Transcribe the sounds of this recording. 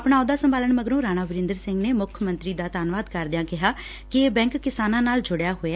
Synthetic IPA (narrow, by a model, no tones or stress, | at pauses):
əpɳ̃aːõd̪aːsəmbaːləɳməɡəɾõːɾaːñaːʋɪɾɪ̃nd̪əɾsɪ̃ŋɡneːmʊkʰəmə̃nt̪ɾiːd̪aːt̪aːnʋaːd̪kəɾd̪ɪjãːkɪɦaː | kɪeːbɛ̃ːŋkːɪsaːnãːnaːld͡ʒʊɽejaːɦoː